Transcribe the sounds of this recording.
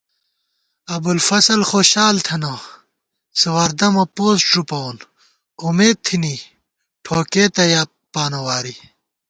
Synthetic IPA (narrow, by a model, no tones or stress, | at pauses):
ɐbulfɐsɐlxoːɕaːlt̪ʰɐnɐ | sɐwɐɾd̪ɐmɐpoːsʈ͡ʂupɐwon | umeːd̪̚t̪ʰini | ʈʰoːkeːt̪ɐjaː | paːnɐwaːɾi